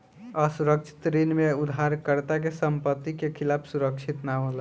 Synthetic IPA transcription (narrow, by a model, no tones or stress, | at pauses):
əsuɾək̚t͡ʃʰi̥t̪ɾenmeud̪ʱaɾkəɾt̪ak̬esəmpət̪ːikekʰilapʰsuɾəkt͡ʃʰit̪naɦola